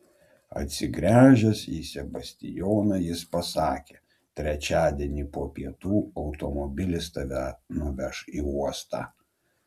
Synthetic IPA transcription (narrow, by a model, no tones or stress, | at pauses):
ɐ̰t̪ʲsʲɪɡɾʲæːʒʲɛsiːsʲɛbɐsʲt̪ʲɪ̰joːnɐjɪspɐsɑːkʲeː | t̪ʲɾʲɛt͡ʃʲæːd̪ʲiɛnʲiːpoːpʲiɛt̪uːɒʊt̪ɔmɔbʲɪlʲɪst̪ɐʋʲænʊʋʲɛʃiːuɔst̪ɑ̰